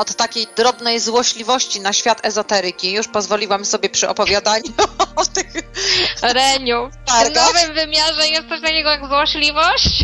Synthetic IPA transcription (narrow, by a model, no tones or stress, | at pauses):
ɔt̪ːakʲejd̪ɾɔbnɛjzwɔɕlʲivɔɕt͡ɕinaɕfʲjat̪ɛzɔt̪ɛɾɘkʲijuʂpɔzvɔlʲiwamsɔbʲjɛpʂɘʔɔpɔvʲjad̪aɲut̪ɪx | ɾɛɲut̪anɔvɨmvɘmʲjaʐɛjɛst̪sɔɕ̬t̪akʲɛɡɔjaɡzwɔɕlʲivɔɕt͡ɕ